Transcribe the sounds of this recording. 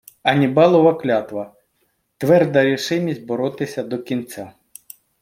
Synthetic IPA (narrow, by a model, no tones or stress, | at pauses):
ɐnʲibɑlˠɔʋɐklʲat̪ʋɐ | t̪ʋɛrd̪ɐɾʲiʃɪmʲisʲt̚ʲbɔɾɔt̪ɪsʲɐd̪ɔkʲint͡sʲa